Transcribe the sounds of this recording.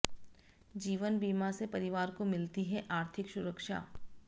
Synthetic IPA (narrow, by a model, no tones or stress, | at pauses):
d͡ʒiːʋənbiːmasepɐɾɪʋaːɾkomɪlt̪iɦɛʔaːɾt̪ʰɪkʃʊɾəkʃa̰ː